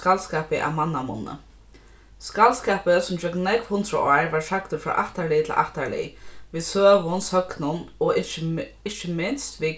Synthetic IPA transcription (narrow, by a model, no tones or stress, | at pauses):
kalskaːpɪʔa̰manːamʊ̰nːə̰ | skalskɛːpəsʊmd͡ʒœknnɛkvhʊnd̪ɾəʔɔːɹʋaɹsakt̪ʊfɹa̰ːʔaht̪aɹlɪt̪ʰɪlʔa̰ht̪aɹlɪ̰ʋiːsøːʋʊnshœknʊnɔʔɪɪt͡ʃɪmɪnst̪ʋi